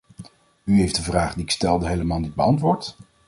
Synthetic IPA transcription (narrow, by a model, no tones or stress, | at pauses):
yɦejfdəvraːχdiɪkstɛlˠdəɦejləmaːlˠnid̚bəɑntʋʊːɹt